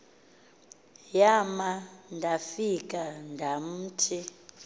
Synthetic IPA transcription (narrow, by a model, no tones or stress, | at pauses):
jamandʱafik̬ʼandʱam̩ːtʰi